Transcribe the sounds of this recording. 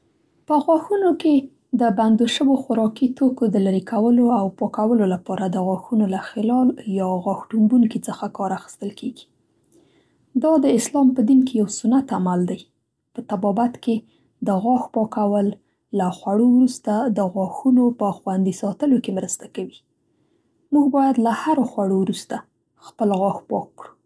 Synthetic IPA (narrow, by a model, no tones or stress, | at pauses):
pəɣɑxunoke | d̪əband̪oʃəwoxʊɾɑkit̪okod̪əlaɾikʰawəloawpɑkawəlolapɑɾad̪əɣɑxunolaxɪlɑljɑɣɑxʈumbuŋkit͡səxakɑɾaxə̥st̪əlkʰeɡi̥ | d̪ɑd̪əɪslɑmpəd̪inkejawsʊnat̪amald̪aj | pət̪abɑbat̪ke | d̪əɣɑxpɑkawəlː | axwaɽowɾust̪ad̪əɣɑxunopəxwand̪isɑt̪əlokemɾəst̪akawi | muɡbɑjad̪lahaɾoxwaɽowɾust̪a | xpəlɣɑxpɑkːɽu